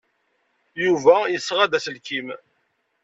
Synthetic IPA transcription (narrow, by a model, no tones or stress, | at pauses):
juvæjəsːʁæd̪æsəlkim